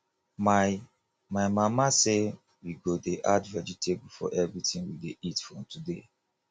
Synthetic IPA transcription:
ma | maɪmamase | wiɡodeʔadvɛd͡ʒitʰebufɔ̰ʔɛvɹitĩnwideitfɹɔ̃mtude

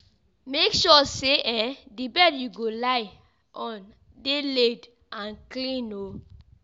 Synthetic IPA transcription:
mekʃɔseʔɛ̃dibɛdjuɡolaɪ | ʔɔ̃n | deled | ãnklĩno

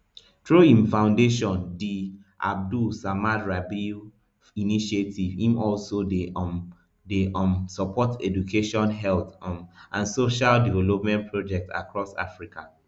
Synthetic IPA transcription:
tɹoĩmfãʊ̃ndeʃɔ̃ndi | ʔa̰b̚dusamaɹabi | iniʃetivĩmɔlsode | deɔmsɔpʰɔtɛdukʰeʃɔ̃nɦɛlt̪ʔãnsoʃaldivɛlopmɛ̃ntpʰɹod͡ʒɛk̚ta̰kɹɔsa̰fɹika

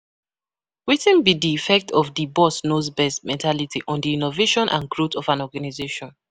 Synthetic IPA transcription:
witĩnbidiifɛk̚tʰɔfdibɔsnozbɛstmɛ̃ntʰalitʰiʔɔ̃ndiinoveʃɔ̃nʔã̰nɡɹotɔfãnɔɡanizeʃɔ̃n

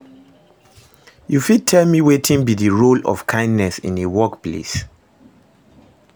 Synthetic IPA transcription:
jufid̚tʰɛlmiwetʰĩŋbidəɹolɔ̰fkʰãɪ̃ndnɛsḭ̃newɔkplḛs

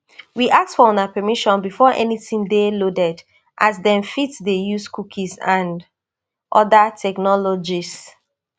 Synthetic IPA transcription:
wiʔak̚tfɔɔ̃napɛmiʃɔ̃nbifɔʔɛ̰nitĩmdelodɛd | ʔazdɛ̃nfitsdejuskukʰisãn | ʔɔdatʰɛknɔlɔd͡ʒis

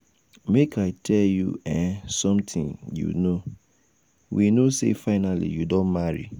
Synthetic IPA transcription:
mekaɪtʰɛljṵɛ̃nsɔ̃mtʰḭ̃njṵno | winosḛfaɪnalḭjudõnmaɹḭ

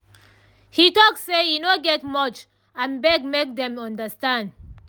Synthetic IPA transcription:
hitɔksːejunoɡɛtmɔt͡ʃ | ãnbɛɡmek̚dɛ̃mɔ̃ndəstãnd

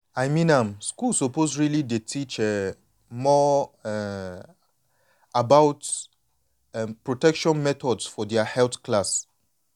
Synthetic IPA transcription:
ajmĩnãmskulsɔposɹilidetʰit͡ʃɛ | mɔ | abaʊt | pɹotɛkʃɔ̃nmɛtɔdsfɔdɛəhɛlθklas

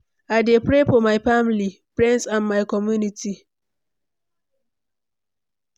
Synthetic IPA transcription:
adepɾefɔmajfamlipɹĩntsãnmajkɔmjunitʰi

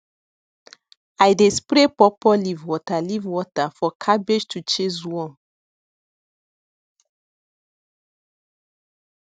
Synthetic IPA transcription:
ajdespɾepɔpɔlivwɔtalivwɔtafɔkʰabed͡ʒtʰut͡ʃeswɔ̃

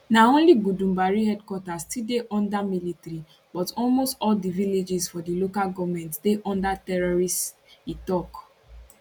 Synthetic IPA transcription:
naõnliɡudũmbaɹihɛdkwɔtastideʔɔ̃ndamilitɾi | bɔtɔlmostɔldiviled͡ʒisfɔdilokalɡɔvmɛ̃ntdeʔɔ̃ndatɛɹɔɹist | itɔk

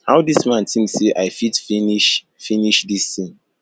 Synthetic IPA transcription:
haʊwdismãntʰĩmseʔaɪfitfiniʃ | finiʃdistĩŋ

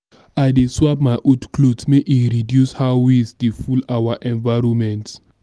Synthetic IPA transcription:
ajdeswap̚maɪʔodkʰlotsmeʔiɹidjushawisdefulawaʔɛ̃nvaɹɔ̃mɛ̃nt

